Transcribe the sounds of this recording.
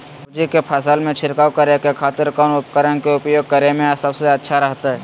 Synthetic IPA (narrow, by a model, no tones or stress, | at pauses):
ʊd͡ʒikepʰəsəlmẽt͡ʃʰɪɾkaːwkəɾekekʰaːt̪ɪɾkanʊpkəɾənkeʊpjoːɡ̚kəɾemẽsəbseɐtːʃʰaɾəɦt̪aɦɛ